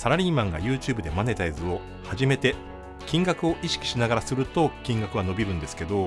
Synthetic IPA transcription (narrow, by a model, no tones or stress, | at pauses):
saɾaɾʲiːmãŋɡa̰jɯ̟ːt͡ɕɨːbɯd̪e̞mane̞t̪aizɨo̞ | haʑime̞t̪e̞ | kʲĩŋɡakɯ̟o̞ʔiɕi̥kʲi̥ɕinaɡaɾasɨɾɯ̟t̪o̞kʲĩŋɡakɯβano̞bʲiɾɯ̟̃nd̪e̞sɨ̥ke̞d̪o̞